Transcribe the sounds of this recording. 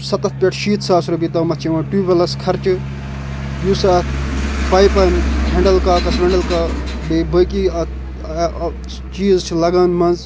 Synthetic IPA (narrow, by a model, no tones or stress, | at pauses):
sɐt̪ɐt̪̚ʰpʲeʈʰʃiːt̪saːsɾɐbit̪ɐmɐt̪t͡ʃʰeʋãːʈuːbʲɐlɐskʰɐɾt͡ʃɨ | juːsaːt̪ʰpɐjpɐnɦẽɳɖɐlkaːkɐsʋẽɳɖɐlkaː | bebəkiːɐ | t͡ʃiːzt͡ʃʰlɐɡaːnmɐnz